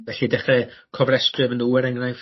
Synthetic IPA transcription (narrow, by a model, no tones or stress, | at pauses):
vɛɬidɛχɛkʰɔvrɛsprɨvənduɛɾɛŋrajf